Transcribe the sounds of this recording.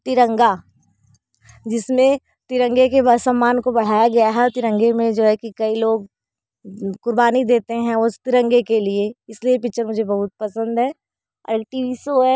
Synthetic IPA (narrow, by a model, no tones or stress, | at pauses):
t̪ɪɾə̃ŋɡa | d͡ʒɪsmẽ | t̪ɪɾə̃ŋɡekebasɐmːaːnkobɐɽ̤aːjaɡɐjaɦɛɔt̪ɪɾə̃ŋɡemẽd͡ʒoːɦɛkikɐiloːɡ̚ | kʊɾbaːnid̪eːt̪eɦɛ̃ot̪ɪɾə̃ŋɡekelieɪsliepɪk̚t͡ʃəɾmʊd͡ʒʱebɐɦʊt̪̚pɐsə̃nd̪ɦɛ̰ː | ʈiːʋisoɦɛː